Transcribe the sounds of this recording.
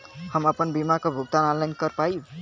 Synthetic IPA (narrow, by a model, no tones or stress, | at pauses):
həməpənbimakobʱuɡ̚t̪analankəɾpaju